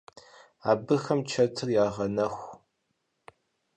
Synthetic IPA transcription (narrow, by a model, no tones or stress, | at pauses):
aːbɨxɐmt͡ʃʰɐtʰɨrjaːʁɐnɐxʷ